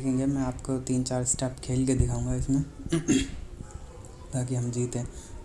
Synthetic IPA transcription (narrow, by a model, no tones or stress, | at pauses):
ekʰẽːŋɡemɛ̃aːpkot̪iːnt͡ʃaːɾsʈɛːpkʰeːlked̪ɪkʰaːũːŋɡaɪsmẽ | baːk̬iɦɐmd͡ʒiːt̪ɦẽː